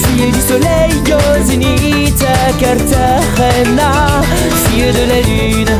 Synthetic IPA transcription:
sied̪ysɔlɛj | ozini | t̪akaɾt̪a | ʁɛ | na | siəd̪əlaly | n

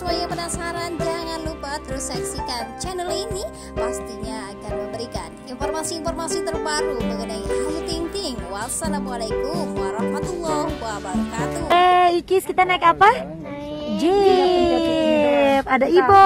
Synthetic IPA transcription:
suaɲapənasaɾand͡ʒaŋanlupat̪əɾusɛksikant͡ʃɛnəlini | past̪iɲaːkanməmbəɾikaninformasiːnformasit̪ərbakubəkadaŋaut̪iŋt̪ɪŋwasalamualakumwaɾɑhmat̪ulːɔhwabaɾakat̪uɛikɪskit̪anaɛkapa | d͡ʒe | padaibɔ

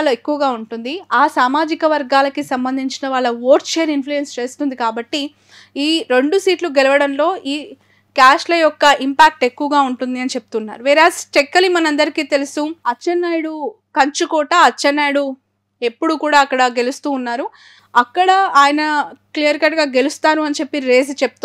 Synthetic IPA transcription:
ɭɐekːuʋɐɡaːuɳʈund̪iaːsaːmaːd͡ʒikɐʋɐɾɡaːlɐkisɐmbɐnd̪ʱiɲt͡ʃinɐʋaːɭːɐʋoːɾʈt͡ʃeːɾinfluenst͡ʃe̞ːst̪und̪ikaːbɐʈːi | iːɾe̞ɳɖusiːʈluɡeluʋɐɽɐnlo̞ːʔiː | kaːʂlɐjɔkːɐʔimpaːk̚ʈe̞kːuʋɐɡaːuɳʈund̪iɐnit͡ʃe̞p̚ut̪unːa̰ːɾuʋiːɾaːst͡ʃekːɐlimɐnɐɐnd̪ɐɾikiːt̪e̞lusuɐt͡ʃːɐnːaːjɽu | kɐɲt͡ʃukɔːʈɐɐt͡ʃːɐnːaːjɽu | e̞pːuɽukuːɽaːɐkːɐɽɐɡe̞lust̪uːnːaːɾu | ɐkːɐɽɐaːjɐnɐklijɐɾkɐʈɡaːɡe̞lust̪aːnuɐnit͡ʃe̞pːiɾe̞ːsit͡ʃep̚t̪u

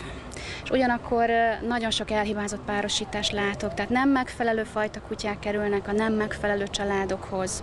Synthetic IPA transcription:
eʃuɟɒnɒkʰːo̞rnɒɟo̞nʃo̞kɛlɦibaːzo̞t̪paːɾo̞ʃiːt̪aːʃtlaːt̪o̞kt̪aɦːt̪nɛmːɛkfɛlɛløːfɒjt̪ɒkucaːkːɛɾylnɛkɒnɛmːɛkfɛlɛløːt͡ʃɒlaːd̪o̞kho̞z̥

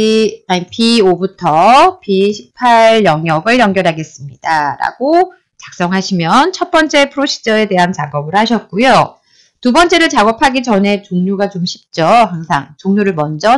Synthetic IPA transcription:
aipʰiobutʰʌpiɕʰi̥pʰaɭjʌŋjʌɡɯɭjʌŋɡjʌɾɦaɡe̞s͈ɯmɲidaɾa̰ɡo | t͡ɕak̚s͈ʌŋɦaɕʰimjʌnt͡ɕʰʌt̚p͈ʌnt͡ɕ͈e̞pʰɯɾoɕʰi̥d͡ʑʌe̞te̞ɦant͡ɕaɡʌbɯɭhaɕʰʌt̚k͈ujo | tubʌnt͡ɕ͈e̞ɾɯɭt͡ɕaɡʌpʰaɡit͡ɕʌne̞t͡ɕoŋɲuɡat͡ɕomɕʰi̥p̚t͡ɕ͈ʌhaŋsʰa̰ŋt͡ɕoŋɲuɾɯɭmʌnd͡ʑʌ

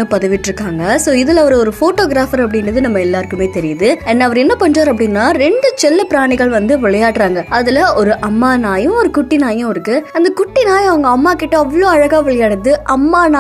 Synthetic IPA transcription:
ɯpɐðɐʋɪʈːɾɯkːaːŋɡɐsoːɪðɪlɐʋɐɾɯɔɾɯfoːʈoːɡɪɾaːfɐɾɐp̬ːɐɽɪnrɐðɯnɐmːɐɛlːaːɾɯkɯmeːt̪ɛɾɪjɐðɯɛnːɐɐːʋɐɾɛnːɐpɐɳd͡ʒraːɾɐp̬ːɐɽɪnːaːɾɛɳɖɯt͡ʃɛlːɐpɪɾaːɳɪɣɐɭʋɐnd̪ɯʋɪɭɐjaːʈːɾaːŋɡɐɐðɪlɐɔɾɯʔɐmːaːnaːjɯ̃ɔɾɯkʊʈːɪnaːjʊ̃ɐʋɐɾɯkːɯɐnd̪ɐkʊʈːɪnaːjɐʋɐŋɡɐːmːaːkɪʈːɯɐʋːɐɭoːɐɻɐɣaːʋɪɭɐjaːɽɯt̪ːɯʔɐmːaːnaː

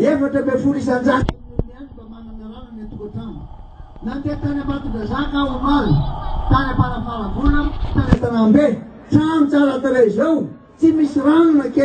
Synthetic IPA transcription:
efaʈ͡ʂəbefuɾis̬and͡ʒaniamunianibamanamiaɾanənat̪ukaʈ͡ʂamu | nant̪et̪anamat̪udazakawananit̪anapaɾapaɾavunət̪anat̪anambe | ʈ͡ʂamit͡salat̪alezow | t͡simisiɾanunəke

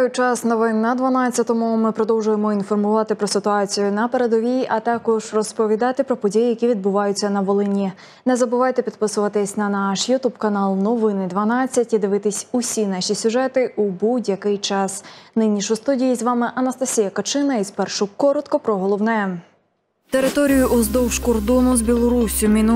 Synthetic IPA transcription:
tɔjt͡ʃɑsnɔʋɪnnɐd̪ʋɐnat͡sʲːɐt̪ɔmʊmɪpɾɔd̪ɔwʒʊjemɔinfɔrmʊʋɑt̪ɪpɾɔsɪt̪ʊɑt͡sʲijʊnɐpeɾed̪ɔʋʲiɐt̪ɑkɔʒrɔspɔʋʲid̪ɑt̪ɪpɾɔpɔdʲijijɐkʲiʋʲid̪̚bʊʋɑjʊt͡sʲːɐnɐʋɔlˠɪnʲi | nɛzɐbʊʋɑjt̪ɛpʲid̪̚pɪsʊʋɐt̪ɪsʲnɐnɑʃjʊt̪ubkɐnɑlˠnɔʋɪnɪd̪ʋɐnɑt͡sʲːɐtʲid̪ɪʋɪt̪ɪsʲʊsʲinɑʃʲisʲʊʒɛt̪ɪʔubudʲjɐkɪjt͡ʃɑsnɪnʲːiʃʊjst̪udʲijizʋɑmɪʔɐnɐst̪ɐsʲijɐkɐt͡ʃɪnɐizpɛrʃʊkɔɾɔt̪kɔpɾɔɦɔlˠɔwnɛɛ | t̪e̞ɾɪt̪ɔɾʲijʊʔɔzd̪ɔwʃkɔrd̪ɔnʊzbʲilˠɔɾusʲʊmʲin

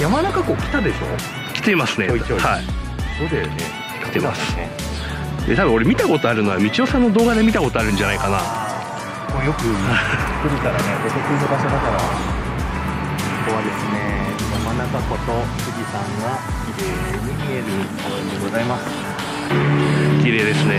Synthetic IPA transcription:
jamanakako̞ːkʲi̥t̪ad̪e̞ɕo̞̰ | kʲi̥t̪e̞masɨnehai | d̪̥oːd̪ejone | kʲi̥t̪emasɨ̥e | d̪et̪abɯ̃o̞ɾe̞mʲit̪ako̞t̪o̞aɾɯ̟no̞amʲit͡ɕio̞sãnːod̪o̞ːɡad̪e̞mʲit̪ako̞t̪o̞aɾɯ̟̃ɲd͡ʑanaikana | mojo̞kɯ̟̥kɯɾʲik̪aɾanekot̪okɯinobaɕad̪at̪aɾa | soko̞βad̪e̞sɨneinomanakako̞t̪o̞kɯɡʲisãɰ̃ɡa | kʲiɾeː | ɲimʲieɾɯ | id̪eɡo̞zaimasɨ̥ | kʲiɾe̞ːd̪e̞sɨne

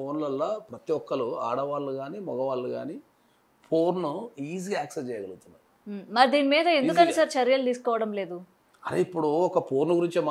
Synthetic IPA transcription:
oːnlɐlːaːpɾɐt̪iɔkːɐluaːɽɐʋaːlːuɡaːniːmɔɡɐʋaːlːuɡa̰ːniː | pʰoːɾnuiːziɡaaːksest͡ʃɛːjɐɡɐlɡut̪unːaːɾumɐɾid̪iːnimiːd̪ɐend̪ukɐnisɐɾt͡ʃɐɾjɐlut̪iːsu̥kɔːʋɐɽɐmle̞ːd̪u | ɐɾḛipːuɽuɔkɐpʰoːɾnuɡuɾiɲt͡ʃima

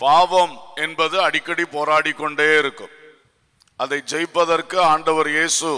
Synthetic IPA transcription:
paːʋɐmɛnbɐðɯɐɽɪkːɐɽipoːɾaːɽɪkːɔɳɖeːɪɾɯkːɯm | ʔɐðɐɪd͡ʒɛjpːɐðɐrkɯaːɳɖɐʋɐɾjeːsɯ

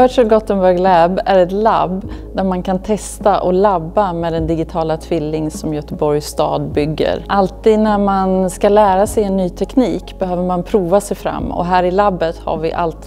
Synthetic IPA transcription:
œːʂɛlɡɔt̪ːənbœɾɡlɛbæɾɛt̪la̰bd̪æɾmankʰant̪ʰɛst̪aʔɔlabːamɛːd̪ɛnd̪ɪɡɪt̪ʰɑːlat̪ʰvɪlːɪŋsɔmjœt̪əbɔɾjsːt̪ɑ̰ːd̪bʏɡːə̰ɾʔalt̪iːd̪næɾmanskalæːɾasɛjɛnːyːt̪ʰɛkniːkbɛhøːvəɾmanpʰɾuːvasɛjfɾa̰mːɔ̰ɦæːɾɪlabːət̪ha̰ɾvɪʔa̰lt̪

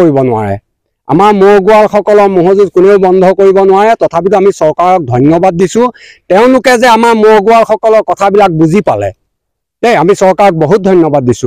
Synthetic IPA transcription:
oibɔnʊwa̰ɹɛ̰ | a̰maɹmoɹɡʊalxɔkɔlɔɹmoɦozuzkʊneʊbɔndʱɔkoɹibɔnʊwaɹɛtɔtʰapituamisɔɹkaɹɔk̚dʱɔjnjɔbad̚ːisʊ̃tɛʊ̃lʊkɛzɛamaɹmoɹɡʊalxɔkɔlɔɹkɔtʰabilak̚buzipalɛ̰ | tejamisɔɹkaɹɔk̚boɦut̚dʱɔjnjɔbad̚ːisʊ̃

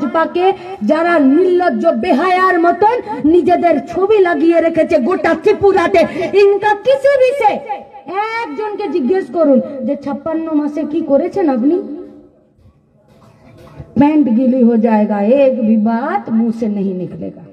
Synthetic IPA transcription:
pake | d͡ʒaɾamilːət̪̚d͡ʒobeɦajaɾmət̪onnid͡ʒed̪eɾt͡ʃʰobiləɡijeɾəkʰɛt͡ʃʰɛɡoʈat̪ʰipːuɾat̪eɪnkakisibʱiseek̚d͡ʒonked͡ʒiɡːeskəɾund͡ʒet͡ʃʰəpːənːomẽsẽkikɔɾet͡ʃʰənəpni | pɛ̃ɳʈɡiliɦod͡ʒaeɡaekbʱibat̪mũsenəɦĩniklḛɡa

